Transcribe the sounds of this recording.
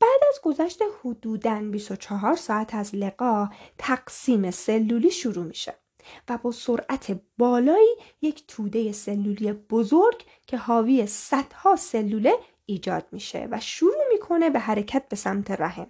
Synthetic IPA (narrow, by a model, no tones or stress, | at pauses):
b̥æːd̪æzɡo̞zæʃt̪e̞hod̪uːd̪ænbiso̞t͡ʃʰɒɦɒːɾsɒːæt̪ʰæzle̞ɡɒːt̪ʰæɡ̥siːmese̞lːuːliːʃuɾuːmiːʃḛ | væbɒːso̞ɾʔæt̪ʰe̞bɒːlɒːiːjecʰt̪ʰuːd̪e̞je̞se̞lːuːlijeb̥ozoɾɟ | cʰe̞hɒːviːjesæd̪̥hɒːse̞lːuːle̞ | iːd͡ʒɒ̰ːd̪̥miːʃḛvæʃuɾuːmiːkʰo̞ne̞be̞ɦæɾecʰæt̪̚be̞sæmt̪ʰe̞ɾæɦḛm